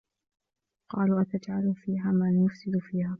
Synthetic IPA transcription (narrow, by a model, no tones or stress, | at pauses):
qɑːluːʔat̪ad͡ʒʕalfiːɦaːmanjʊfsɪd̪fiːhaː